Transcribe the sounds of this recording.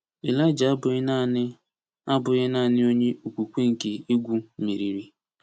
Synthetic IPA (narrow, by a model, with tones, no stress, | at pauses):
i˨la˦ɪ˨d͡ʒa˨˦bʊ˨˦na˦ | a˦bʊ˨ɣɪ˦naː˦˨nɪ˦o˦ɲe˦ʔu˨kʷu˨kʷe˦ŋ̩˨ke˨i˦ɡʷu˦mi˨ɾi˨ɾi˨